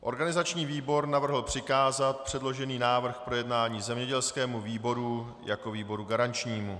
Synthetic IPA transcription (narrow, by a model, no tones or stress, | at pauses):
ʔo̞̰ɾɡanɪzat͡ʃɲiːviːbo̞ɾnavr̩ɦl̩pr̝̥ɪkaːzat̪̚pr̝̥ɛdlo̞ʒɛniːnaːvr̩xpɾo̞jɛdnaːɲiːzɛmɲɛɟɛlskɛːmuviːbo̞ɾu | jako̞viːbo̞ɾuɡaɾant͡ʃɲiːmu